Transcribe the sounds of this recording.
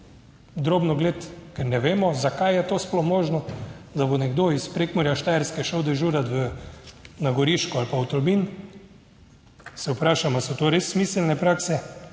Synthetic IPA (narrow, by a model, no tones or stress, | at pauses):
d̪ɾoːbnɔɡleːt̪kɛɾnɛʋeːmɔzakajjɛt̪oːsplɔxmoːʒnɔd̪abonɛɡd̪oispɾeːkmɔɾjaʃt̪ajɛɾskɛʃəwd̪ɛʒuːɾat̪ʋə | naɡɔɾiːʃkɔalpaut̪ɔlmin | sɛʊpɾaːʃamasɔt̪oːɾesːmiːsɛlnɛpɾaːksɛ